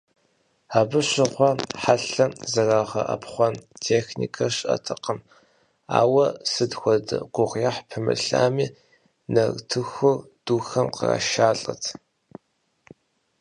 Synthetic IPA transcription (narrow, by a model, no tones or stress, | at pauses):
aːbɨɕɪʁʷɔħaɬɐzɐraːʁɐʔɐpχʷɔntʰeːxnḭːkʰɐɕʼɐ̰tʰɨqəm | a̰ːwɐsɨdxʷɔdɨ̰qʷʊʁjɐħpʰɨmɨ̰ɬa̰ːmiː | nɐrtʰɨxʊr | d̥uːxɐmqə̰ra̰ːʃaːɬʼɐ̰tʰ